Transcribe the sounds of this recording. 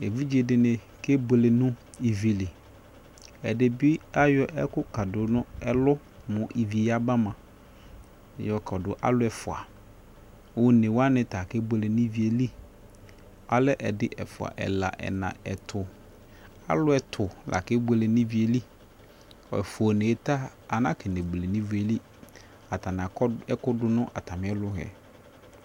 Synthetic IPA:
e˨vi˦d͡ʒi˦e˨dɪ˨nɪ̃˨ | ke˦be˨le˨nʊ̃˦ | i˨vi˨lɪ˨ | ɛ˨dɪ˨bi˦a˦jɔ˦ʔɛ˦kʊ˦ka˨dʊ˨nʊ̃˦ɛ˦lʊ˦ | mʊ̃˨ʔi˨vi˨ja˦ba˦mã˨ | jɔ˨kʰɔ˨dʊ˨ʔa̰˦lʊ˦ɛ˨fʊ˨a˨˦ | ʊ˦nẽ˨wa˦nɪ̃˨ta˨ke˦be˨le˨nĩ˦vi˨e˨li˦ | a˨lɛ˦ʔɛ˨dɪ˦ʔɛ˨fʊ˨a̰˨ʔɛ̰˨la̰˨ʔɛ̰˨nã̰˨ɛ˨tʰʊ˨ | a̰˦lʊ˦ɛ˨tʰʊ˨lʔa̰˨kɪ˦be˨le˨nĩ˦vi˨˦e˨li˦ | ɔ̰˨ɛ˨fʊ˨o˨nẽ˨ɛ˦ta˦ | a˨nã˦kʰɛ˨ne˨ble˨nĩ˦ve˨li˦ | a˨tʰa˨nã˨ɛ˦kʊ˦dʊ˦nʊ̃˦ʔa˨tʰa˨mɪ̃˨˦ɛ˦lʊ˦ɦɛ̰˨

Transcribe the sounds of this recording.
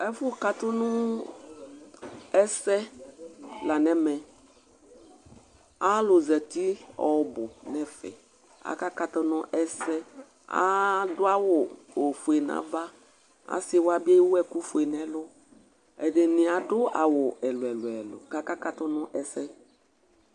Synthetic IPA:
ɛ˦fʊ˦ka˦t̪ʊ˦nʊ̃˦ | ɛ˦sɛ˦ | la˨nɛ̃˦mɛ̃˨ | a˦lʊ˨zɛ˨t̪i˦ɔ˨bʊ˨nɛ̃˦fɛ̰˨ | a̰˨ka˦ka˦t̪ɔ˦nʊ̃˦ʔɛ˦sɛ˦ | a̰˦dʊ˦a˦wʊ˨o˨fu˨e˨nã̰˨˦va˦ | a̰˨˦sɪ˦wa˨bi˦e˦wo˦ɛ˨ku˦fu˨e˨nɛ̃˦lʊ˦ | ɛ˨de˨nɪ̃˨a˨dʊ˦a˨wʊ˨ɛ˨lʊ˨ɛ˨lʊ˨ɛ˨lʊ̰˨ka˦ka˦ka˦t̪ʊ˦nʊ̃˦ʔɛ˨sɛ˦

